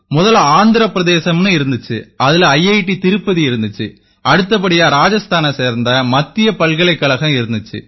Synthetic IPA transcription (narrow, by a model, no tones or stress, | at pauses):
mʊðɐlaːnd̪ɪɾɐpːɪɾɐðeːsɐmnɯɪɾɯnd̪ɯt͡ʃːɯɐðɪlɐjːɐjɪʈːit̪ɪɾɯpːɐðiɪɾɯnd̪ɯt͡ʃːɯ | ʔɐɽɯt̪ːɐp̬ːɐɽɪjaːɾaːd͡ʒɐst̪ʰaːnɐseːɾnd̪ɐmɐt̪ːɪjɐpɐlɣɐɭɐɪkːɐɭɐɣɐ̃mɪɾɯnd̪ɯt͡ʃːɯ̰